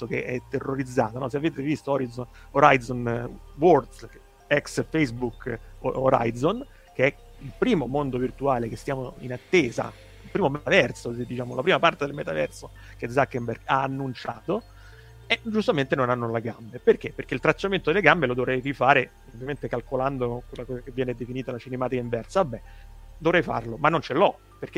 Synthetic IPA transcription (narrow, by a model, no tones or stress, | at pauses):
sokḛʔɛt̪ːerːoɾid̪zːa̰ːt̪onɔs̬eaveːt̪evist̪oɔɾizo | oɾajzonword̪s | ɛksfejsbuko̰ɾa̰jzon | keɛ | ilpɾiːmomond̪ovirt̪uaːlekest̪jaːmoḭnat̪ːeːza̰ | ilpɾiːmomet̪avɛrsod̪it͡ʃaːmolapɾiːmapart̪ed̪elmet̪avɛ̰rso | kezakːemberɡaːnːunt͡ʃaːt̪o | ed͡ʒust̪ament̪enonanːoleɡambeperk̟epːerk̟eilt̪ɾat͡ʃːament̪od̪elːeɡambelod̪ovɾɛjrifaːɾe | ovːjament̪ekalkoland̪okwelːakɔːzakevːjɛːned̪efiniːt̪alat͡ʃinemaːt̪ikaiɱvɛrsaabːɛd̪ovɾɛjfa̰rlomanːont͡ʃelɔ | perk̟e